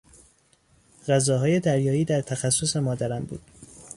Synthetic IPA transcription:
ɢæzɒːɦɒːje̞d̪æɾjɒːiːd̪æɾt̪ʰæxæsːose̞mɒːd̪æɾæmbṵːd̪̥

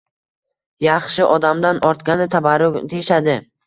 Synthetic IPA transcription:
jɑχʃɪʔɒd̪amd̪anʔɒɾt̪ɡʲanɪt̪ʰabaɾʊd̪ejɪʃad̪ɪ

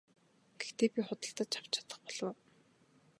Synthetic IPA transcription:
ɡ̥e̥xt̪eːpʲiχʊt̪ə̆ɬt̪ə̆t͡ɕʰḁw̥t͡ɕʰḁt̪ə̆χpɔɮ̥ɞ̆w

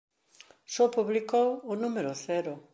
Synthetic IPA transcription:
sopuβlikowʊnumeɾʊθɛɾʊ

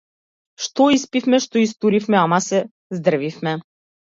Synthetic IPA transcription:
ʃt̪ɔispifmɛʃt̪ɔist̪uɾifmɛamasɛ | zd̪r̩vifmɛ

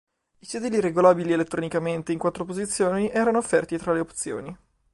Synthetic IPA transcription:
it͡ʃiðiːliɾeɡolaːbilielet̪ːɾonikament̪eiŋkwat̪ːɾopozit̪sːjoːniʔɛːɾanoːfːɛrt̪it̪ɾaleop̚t̪sjo̰ːni

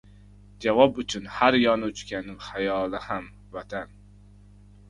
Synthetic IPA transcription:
d͡ʒavɒpʊt͡ʃʰʊnhaɾjɒnʊt͡ʃkʲanɪhajɒlˠɪham | vat̪ʰan

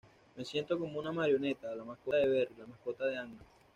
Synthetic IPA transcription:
me̞sje̞nt̪o̞ko̞mounamaɾjo̞ne̞t̪alamaskoðe̞βe̞ɾlamahko̞t̪aðe̞aŋa

